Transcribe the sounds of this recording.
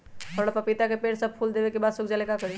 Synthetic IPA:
ɦəɽəpəpit̪akepeɽsəb̚pʰuld̪ebekebad̪sokd͡ʒalekakəɾi

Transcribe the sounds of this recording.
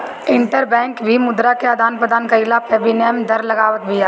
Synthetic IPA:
ɪ̃ɳʈəɾbɛ̃ːŋkbʱimʊd̪ɾakead̪ʱaːnpɾəd̪aːnkɐɪlapʰɛːbinemd̪ɐɾlɐɡaːʋət̪̚bʱia

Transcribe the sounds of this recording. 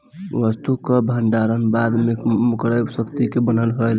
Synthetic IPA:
ʋəst̪ukəbʱəɳɖaɾənbad̪memukɾəjbsəkt̪ikebənəlɦojl

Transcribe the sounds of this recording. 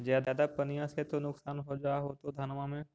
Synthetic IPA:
zjaːd̪ːd̪apɐnijãset̪onʊksaːnɦod͡ʒaɦot̪od̪ʱaːnmamẽ

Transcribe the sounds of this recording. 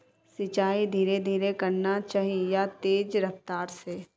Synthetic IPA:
sɪt͡ʃaːid̪ʱiːɾed̪ʱiːɾekɐɾnat͡ʃaːɦijat̪eːd͡ʒɾɐft̪aːɾse

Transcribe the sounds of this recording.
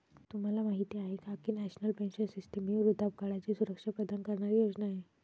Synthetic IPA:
t̪um̤alamaɦit̪iaɦekakiːnɛɕnəlpẽnɕənsisʈəmiɾud̪ap̚kaɭat͡ɕiːsuɾəkʂapəd̪ənkəɾɳaɾijod͡ʑnaːɦe

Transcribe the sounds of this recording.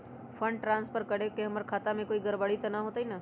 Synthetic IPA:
fʰə̃ɳɖʈɾãːnspʰəɾkəɽekeɦəməɾkʰaːt̪amẽkoːiɡəɾbəɽit̪ɐnaɦoːt̪aɦinaː

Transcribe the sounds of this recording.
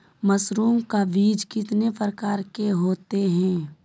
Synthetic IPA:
mɐsɾuːŋkaʋiːd͡ʒkɪt̪nepɾəkaːɾkeɦoːt̪eɦɛ̃ː

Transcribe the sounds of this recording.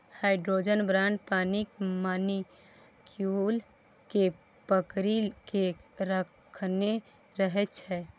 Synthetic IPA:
hajɖɾod͡ʒənbɾaɳɖpanikmani | kjul | ke | pəkɾilkeɾəkkʰne | ɾəɦɛt̪t͡ʃʰɛ

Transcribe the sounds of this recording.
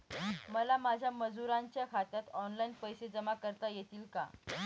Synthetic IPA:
məlamad͡ʑʱjaməd͡zuɾãɲt͡ɕjakʰat̪at̪ɔnlainpəjsed͡zəmakəɾt̪ajet̪iːlka̰

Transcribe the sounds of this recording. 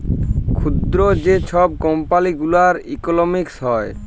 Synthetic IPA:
kʰud̪ɾod͡ʑet͡ɕʰɔb̚kɔmpaliɡulaɾikolomiksɦɔe

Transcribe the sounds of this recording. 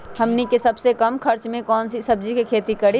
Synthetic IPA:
hɐmnikesɐbsekɐmkʰɐɾt͡ʃmẽkɔːnsisɐb̚d͡ʒikekʰeːt̪ikɐɽi

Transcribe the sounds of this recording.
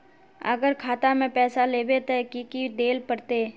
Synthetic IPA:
ə̰ɡəɾkʰaːt̪amẽpɛːsaleːbet̪ɛkikid̪eːlpəɽt̪eː

